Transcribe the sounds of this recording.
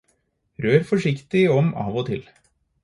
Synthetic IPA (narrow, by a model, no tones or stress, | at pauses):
ɾøːɾfɔʂɪkt̪ɪɔmɑ̰ːʋɔt̪ʰɪl